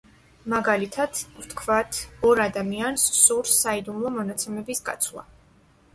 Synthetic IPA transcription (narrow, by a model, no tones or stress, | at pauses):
maɡalit̪ʰad̪̥vt̪ʰkʰvat̪ʰɔɾad̪amiansːuɾsaid̪umlˠɔmɔnat̪sʰɛmɛbisɡʼa̰t̪sʰlˠa̰